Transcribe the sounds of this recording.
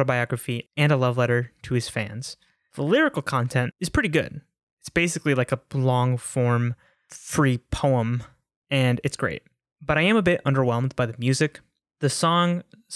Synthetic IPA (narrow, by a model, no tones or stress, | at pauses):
ɾəbaɪɑɡɹɨfiɨ̃nəlʌvlɛɾə˞ɾʰɨɨz̥fæ̃nz̥ | ðəlɪɹɨkl̩ˠkʰɑ̃ntʰɛ̃nɨz̥pʰɹ̥ɪɾiɡʊ̰d | ɨtsb̥eɪsɨklilaɪkəlɔ̃ŋfɔɹm | fɹipʰoʊə̃m | ɨ̃nɨtsɡ̥ɹḛɪt̚ | b̥ʌɾaɪɨ̃məbɪɾʌ̃ndə˞wɛlˠmdbaɪðɨmjʉzɨk | ðɨsɔ̃ŋ